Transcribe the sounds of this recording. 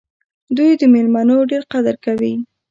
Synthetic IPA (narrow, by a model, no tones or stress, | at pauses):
d̪ujd̪əmelmanoɖeɾqad̪əɾkawi